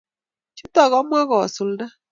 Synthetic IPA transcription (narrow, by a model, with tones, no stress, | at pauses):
t͡ʃu˦tɔ˦˨ɣɔ˦mʷ˦a˦ɣɔ˨su˨lda˦